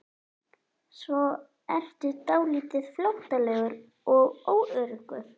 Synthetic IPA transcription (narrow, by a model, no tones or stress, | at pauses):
svɔ | ɛr̥t̪ʏt̪aːwliːt̪ɪð̥flawht̪alɛːɣʏɾ | ɔɣoːwʔœɾʏkʏɾ̥